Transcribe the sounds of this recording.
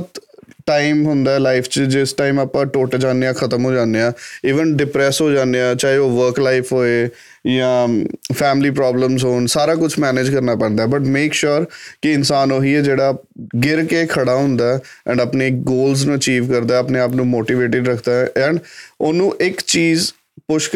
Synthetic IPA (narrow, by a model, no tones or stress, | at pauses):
bt̪ʈaːiɪmɦʊnd̪aːɛːlaːɪpʰt͡ʃd͡ʒɪsʈaːimaːpãːʈoːʈd͡ʒãːnd̪eãːkʰət̪əmɦoːd͡ʒãːnd̪eãːiːʋənɖɪpɾɛːsɦoːd͡ʒãːnd̪ejãːt͡ʃaːɦeoːʋəɾklaːɪfʰɦoːeː | jãːpʰɛːmliːpɾaːbləmzɦoːnsaːɾaːkʊt͡ʃʰmɛːneːd͡ʒkəɾnaːpɛ̃ːnd̪aːɛbəʈmeːkʃʊːɾkɪɪnsaːnoːɦiɛːd͡ʒeːɽaː | ɡɪɾkeːkʰəɽaːɦʊ̃nd̪aɛɛ̰̃ɳɖəːpneːɡoːlz̬nũːət͡ʃiːʋkəɾd̪aːɛəpneːaːpnũːmoːʈiːʋeːʈɪɖɾəkʰd̪aːʔɛ̃ːɳɖoːnũːʔɪkt͡ʃiːz | pʊʃk